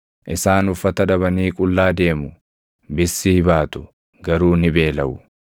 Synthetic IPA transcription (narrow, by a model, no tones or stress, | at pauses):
ʔɪsaːnʊfːɐt̪ɐᶑɐβɐniːkʼʊlːaːd̪e̞ːmʊ | bɪsːɪhɪbaːt̪ʊ̥ | ɡɐɾuːnɪbe̞ːlɐʔʊ